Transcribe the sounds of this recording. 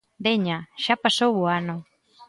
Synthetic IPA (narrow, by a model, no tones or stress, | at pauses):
d̪eɲaʃapasowoano